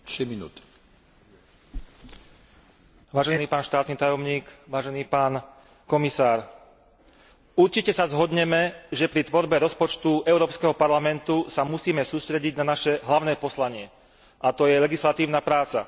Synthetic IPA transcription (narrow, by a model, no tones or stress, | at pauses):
ʃɛminṵːt̪ | ʋaːʒɛniːpaːnʃt̪aːt̪niːt̪ajɔmɲiːkʋaːʒɛniːpaːn | kɔmisaːɾ | uɾt͡ʃicɛsazɦɔd̪ɲɛmɛʒɛpɾit̪ʋɔɾbɛɾɔspɔt͡ʃt̪uɛʊɾɔːpskɛɦɔpaɾlamɛnt̪usamusiːmɛsuːst̪ɾɛɟiɟnanaʃɛɦlaʊnɛːpɔslaɲɪɛ | ʔat̪ɔjɛlɛɡislat̪iːʊnapɾaːt͡sa̰